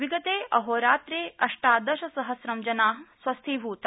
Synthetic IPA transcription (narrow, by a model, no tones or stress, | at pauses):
ʋiɡɐt̪eːɐɦoːɾaːt̪ɾeːɐʂʈaːd̪ɐʃɐsɐɦɐsɾɐmd͡ʒɐnaːɦswɐst̪ʰiːbʱuːt̪